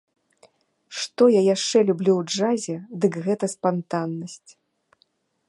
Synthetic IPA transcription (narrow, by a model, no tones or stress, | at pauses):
ʂt̪ɔjajaʂt͡ʂɛlʲublʲuwd͡ʐazʲɛd̪ɨkɣɛt̪ɐspant̪anːɐsʲt͡sʲ